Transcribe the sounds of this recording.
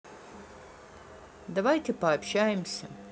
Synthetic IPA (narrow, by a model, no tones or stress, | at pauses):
d̪ɐvajtʲepɐɐpɕæjɪmsʲɐ